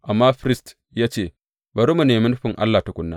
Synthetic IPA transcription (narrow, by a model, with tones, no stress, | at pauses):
ʔa˨mːaː˦ɸɾɪ˦st | jaː˦t͡ʃeː˦˨ | bɐ˨ɾu˦mu˨neː˨mɪ˦n˦ɸɪ˨ŋʔa̰˦lːaː˨ta˨ɡʷʊ˦nːa̰ː˦